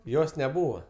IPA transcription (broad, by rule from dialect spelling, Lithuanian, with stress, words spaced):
ˈjoːs nʲɛˈbuːʋɐ